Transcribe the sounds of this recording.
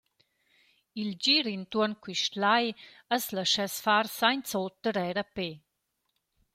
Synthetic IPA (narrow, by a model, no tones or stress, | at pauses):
ild͡ʑiɾint̪uənkwiʃtlaj | əsləʃɛsfaɾsajnt͡solt̪̚ːəɾɛɾəpe